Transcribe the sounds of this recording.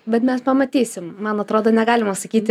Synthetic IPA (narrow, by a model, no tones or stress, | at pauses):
bʲɛt̪mʲɛspɐmɐt̪ʲiːsʲɪmmɐnɐt̪ɾoːd̪oːnʲɛɡɑːlʲɪmɐsɐkʲiːt̪ʲɪ